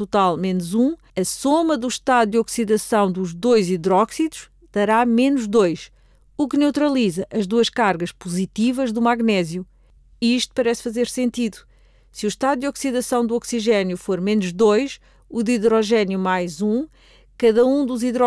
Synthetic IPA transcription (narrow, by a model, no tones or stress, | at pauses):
ut̪alˠmenuzũ | ɐsomɐðuʃt̪aðud̪ɔksiðɐsɐ̃w̃d̪uʒd̪ojziðɾɔksiðuʃ | d̪̥ɐɾamenuʒd̪ojʃ | uknewt̪ɾɐlˠizɐʔɐʒd̪uɐʃkaɾɣɐʃpuzit̪ivɐʒðumaɣnɛzju | iʃt̪u̥pɐɾɛsfɐzeɾsẽnt̪iðu̥ | sɨuʃt̪aðud̪jɔksiðɐsɐ̃w̃d̪uɔksiʒɛnjufoɾmenuʒðojʃ | uðiðɾɔʒɛnjumajzũ | kɐðɐũd̪uziðɾɔ